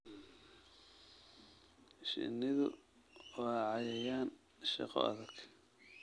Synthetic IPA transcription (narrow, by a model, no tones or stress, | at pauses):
ʃɪ̰nɪðʊ̰ | wɑːʕɑjɛjaːn | ʃɑ̰qɔ̰ʔɐ̰ðɐɡ